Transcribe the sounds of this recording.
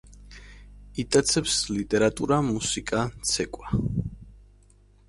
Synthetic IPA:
it̪ʼat̪sʰɛpslit̪ʼɛɾat̪ʼuɾamusikʼat̪sʰɛkʼwa

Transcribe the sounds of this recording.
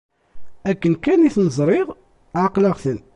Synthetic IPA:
ækːənkæniθnəzˤɾˤɪʁ | ʕaqlaʁθən

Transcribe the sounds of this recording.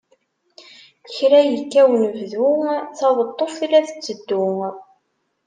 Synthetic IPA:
çɾæjəkːæwnəvðʊθɑðˤət̪ˤːofilæθə̥t͡sːəd̪ːʊŋ

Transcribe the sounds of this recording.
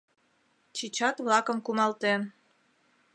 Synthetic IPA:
t͡ɕit͡ɕɑt̪βlɑkəmkumɑlt̪en

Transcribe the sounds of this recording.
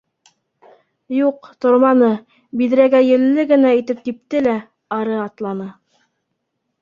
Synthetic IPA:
juqt̪ŏɾmɑnɤ | biðɾæɡæjɘ̆lːɘɡɘ̆næ̆ːt̪ɘp̚t̪ip̚t̪ɘlæ | ɑɾɤɑt̪lˠɑnɤ

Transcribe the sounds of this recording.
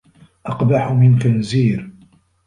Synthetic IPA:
ʔɑqbaħʊmɪnkanziːɾ

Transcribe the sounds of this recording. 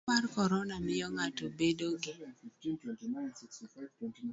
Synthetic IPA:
arkɔɾɔnamɪɔŋatobedoɡɪ

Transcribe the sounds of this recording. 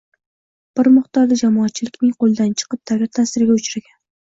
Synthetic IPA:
b̥ɪɾmʊχt̪ɒɾd̪ad͡ʒamɒːt̪̚t͡ʃʰɪlɪkʲnɪŋqolˠd̪ant͡ʃʰɨ̥qɨp̚t̪ʰaɡʲɪɾt̪ʰasɪɾɪɡʲaʊt͡ʃɾaɡʲan

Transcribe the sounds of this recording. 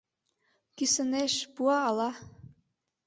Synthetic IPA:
kisɘ̆neʃpuɑːlɑ

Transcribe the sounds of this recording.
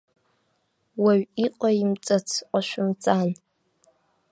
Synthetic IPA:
waɥiqʼajɪmt͡sʼɐt͡sʰqʷʼaʃʷʊmt͡sʼaːn

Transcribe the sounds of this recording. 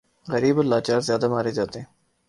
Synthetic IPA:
ɣəɾiːbəlaːt͡ʃaːɾzjaːd̪amaːɾed͡ʒaːt̪eɦɛ̃ː

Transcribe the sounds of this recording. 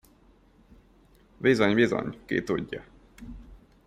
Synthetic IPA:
vizoɲvizo̰ɲkḛːt̪oɟːɑ

